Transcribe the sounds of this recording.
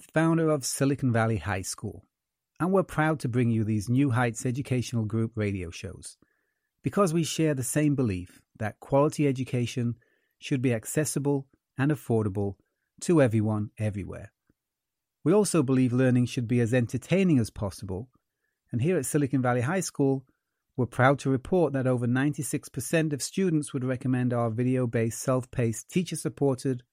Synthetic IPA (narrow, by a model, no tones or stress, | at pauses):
fãʊ̃ndə˞ʌv̥sɪlˠɨkn̩vælˠiha̰ɪskṵlˠ | ə̃nwɪɹpʰɹ̥aʊd̚tʰɨbɹɪ̃ŋjɨðiznjʉɦaɪtsɛd͡ʒɨkʰeɪʃn̩l̩ˠɡɹʉp̚ɹeɪɾioʊʃo̰ʊz̥ | b̥ɨkʰʌzwiʃɛɹðɨsẽɪ̃mbəlif | ðɨt̚kʰw̥ɑlˠəɾiɛd͡ʒɨkʰeɪʃɨ̃n | ʃɨd̚biɨksɛsəbəlˠ | ɨ̃nɨfɔɹɾəbəl̩ˠ | tʰəɛvɹiwʌ̃nɛvɹiwɛ̰ɹ | wiɔlˠsoʊbəlivlɜ̃˞nɪ̃ŋʃɨd̚biɨzɛ̃ntʰə˞tʰẽɪ̃nɪ̃ŋɨz̥pʰɑsəbə̰lˠ | ɨ̃nɦiɹɨtsɪlˠɨkɨ̃nvælˠiɦaɪskulˠ | wə˞pʰɹ̥aʊd̚tʰɨɹɨpʰɔɹt̪̚ðɨɾoʊvə˞nãɪ̃ntisɪkspʰə˞sɛ̃ntʌv̥stʉdⁿn̩tswəd̚ɹɛkɨmɛ̃ndaʊə˞vɪɾioʊbeɪsɛlˠfpʰeɪstʰit͡ʃə˞sɨpʰɔɹɾɪd̥